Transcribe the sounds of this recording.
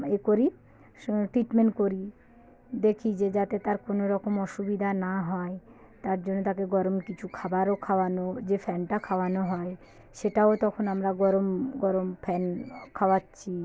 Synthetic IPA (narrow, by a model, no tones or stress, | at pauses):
ekoɾi | ʈɾiʈmeɳʈkoɾi | d̪ekʰid͡ʑed͡ʑat̪et̪aɾkonoɾɔkomɔʃubid̪ʱanaɦɔe | t̪aɾd͡ʑonːot̪akeɡɔɾomkit͡ɕʰukʰabaɾokʰaoanod͡ʑefʰɛnʈakʰaoanoɦɔe | ʃeʈaot̪ɔkʰonamɾaɡɔɾomɡɔɾompʰɛnkʰaoatːɕʰi